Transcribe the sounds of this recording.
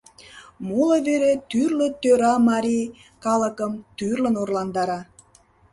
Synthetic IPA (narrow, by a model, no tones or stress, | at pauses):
muləβeɾet̪yrlət̪øɾɑmɑɾʲi | kɑləkəmt̪yrlənorlɑnd̪ɑɾɑ